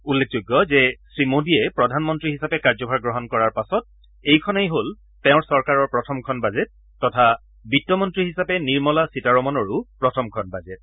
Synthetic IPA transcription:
ulːek̚ʰzʊjɡːɔzɛsɹimodijɛpɹɔdʱanmɔntɹiɦisapɛkaɹd͡ʒɔbʱaɹɡɹɔɦɔnkɔɹaɹpasɔt̚ | ejkʰɔnejɦol | tɛʊ̃ɹsɔɹkaɹɔɹpɹɔtʰɔmkʰɔnbazet̚ː | ɔtʰa | bitːɔmɔntɹiɦisapɛniɹmɔlasitaɹɔmɔnɔɹʊpɹɔtʰɔmkʰɔnbazet̚

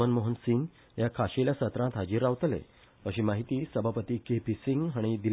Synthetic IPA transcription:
ənmoɦənsiŋɡ | jakʰaɕeljasət̪ɾãt̪ɦad͡ʑiːɾːaʋt̪lḛ | əɕiːmaɦit̪iːsəbʱapət̪iːkepisiŋɡɦaɽ̃id̪il

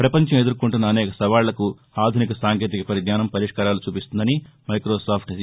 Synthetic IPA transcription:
pɾɐpɐɲt͡ʃɐmed̪uɾkuɳʈunːɐːnɛːkɐsɐʋaːɭlɐku | aːd̪ʱunikɐsaːŋkeːt̪ikɐpɐɾid̪ɲaːnɐmpɐɾiʂkaːɾaːlut͡ʃuːpist̪und̪ɐni | mɐjkɾoːsaːpʰʈɐ

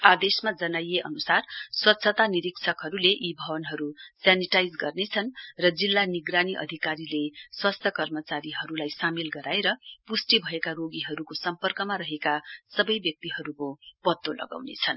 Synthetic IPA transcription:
ad̪esmad͡zʌnajeʔʌ̰nusarswʌt̪sʰʌt̪aniɾiksʰʌkɦʌɾuleʔibʱʌbʌnɦʌɾusjaniʈajd͡zɡʌrnet͡sʰʌnrʌd͡zilːaniɡraniʔʌ̰d̪ʱikaɾileswast̪ʰjʌkʌrmʌt͡saɾiɦʌɾulajsamilɡʌɾaeɾʌpusʈibʱʌekaroɡiɦʌɾukosʌmpʌrkʌmaɾʌɦekasʌbʌjbjʌk̚t̪iɦʌɾukopʌt̪ːolʌ̰ɡa̰wnḛt͡sʰʌn

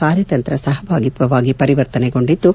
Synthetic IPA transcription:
kaːɾjɐt̪ɐnt̪ɾɐsɐɦɐbaːɡit̪ʋɐʋaːɡipɐɾiʋɐɾt̪ɐneɡo̞ɳɖid̪ːu

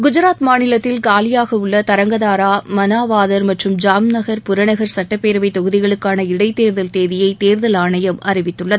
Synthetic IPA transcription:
ɡʊd͡ʒɪɾaːt̪maːnɪlɐt̪ːɪlkaːlɪjaːɣɐɯɭːɐt̪ɐɾɐŋɡɐðaːɾaːmɐnaːʋaːðɐɾmɐʈrɯmd͡ʒaːmnɐɣɐɾpʊɾɐɳɐɣɐɾsɐʈːɐpːeːɾɐʋɐɪt̪ːɔɣɯðɪɣɐɭɯkːaːnɐɪɽɐɪt̪eːɾðɐlt̪eːðɪjɐɪt̪eːɾðɐlaːɳɐjɐmʔɐrɪʋɪt̪ːɯɭːɐðɯ

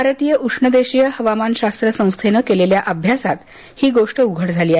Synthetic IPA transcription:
aɾət̪ijəʔukʂɳəd̪eɕijəhəʋamanɕast̪ɾəsə̃w̃st̪ʰenəkeleljaʔəbʱjasat̪ | hiːɡoʂʈəuɡʱəɽd͡zʱaliːa

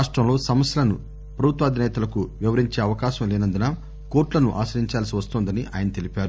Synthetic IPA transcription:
aːʂʈɾɐmlo̞ːsɐmɐsjɐlɐnṵ | pɾɐbʱut̪ʋɐːd̪ʱinɛːt̪ɐlɐkuʋiʋɐɾiɲt͡ʃeːɐʋɐkaːʃɐmlɛːnɐnd̪inaː | ko̞ːɾʈlɐnuʔaːʃɐɾiɲt͡ʃaːlsiʋɐst̪oːnd̪ɐniʔa̰ːjɐnɐt̪e̞lipʲaːɾu

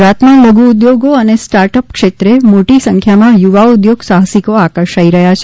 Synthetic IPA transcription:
ɾat̪maləɡʱuːd̪joɡoənesʈaɾʈəpkʃet̪ɾemoʈisə̃ŋkʰjamãjuʋaud̪joɡsaɦsikoakəɾʃaiɾəɦjat͡ʃʰe

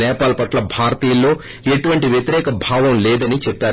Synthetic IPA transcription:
ɛːpaːlɐpɐʈlɐbʱaːɾt̪iːlːo̞ː | eʈuʋɐɳʈiʋjet̪iɾɛːkɐbʱaːʋɐmlɛːd̪ɐnit͡ʃɛpːaːɾu

